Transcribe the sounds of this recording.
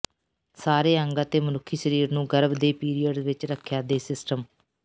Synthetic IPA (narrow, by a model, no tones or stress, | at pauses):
saːɾeːə̃ŋɡaːt̪eːmənʊkʰːiːʃəɾiːɾnũːɡəɾəbd̪eːpiːɾijəɖʋɪt͡ʃɾəkʰːjaːd̪eːsɪsʈəm